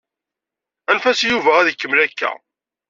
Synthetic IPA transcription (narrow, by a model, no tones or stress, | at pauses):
ænfæsjuvææðəkːəmlækːæ̰